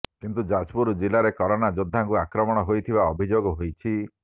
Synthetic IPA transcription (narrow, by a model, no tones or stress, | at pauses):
kint̪ud͡ʒad͡ʒpuɾd͡ʒilaɾekɔɾɔnad͡ʒod̪ʱːaŋkuakɾɔmɔɽ̃ɔɦojt̪ʰibaɔbʱid͡ʒoɡɔɦojt͡ʃʰi